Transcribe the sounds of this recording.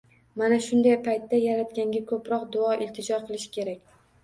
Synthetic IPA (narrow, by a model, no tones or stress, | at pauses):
manaʃʊnd̪ajpʰajt̪ːajaɾat̪̚kʲaŋɡʲakʰɵpɾɒqd̪ʊɒʔɪlt̪ʰɪd͡ʒɒqʰɨlˠɪʃɪ̥kʲʰe̞ɾakʲ